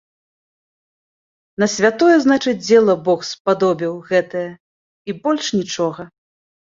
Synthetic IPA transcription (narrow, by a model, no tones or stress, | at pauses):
nɐsʲvʲat̪ɔjɛznat͡ʂɨd͡zʲd͡zʲɛlˠɐbɔxspad̪ɔbʲiwɣɛt̪ɐjɐ | ibɔlʲʂnʲit͡ʂɔɣɐ